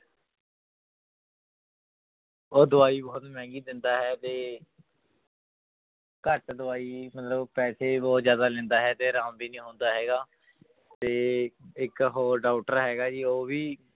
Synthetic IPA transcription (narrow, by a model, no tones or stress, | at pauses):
oːd̪ʊaːiːbɔːt̪mɛ̃ːŋɡiːd̪ɪnd̪aːɦɛːt̪eː | kəɾʈd̪ʊaːiːmət̪ləbpɛːseːbɔːt̪zjaːd̪aːlɛ̃ːnd̪aːɦɛːt̪eːɾãːmbiːnĩːɦoːnd̪aːɦɛːɡaː | t̪eːɪkɦoːɖaːʊʈəɾɦɛːɡaːd͡ʒiːoːʋiː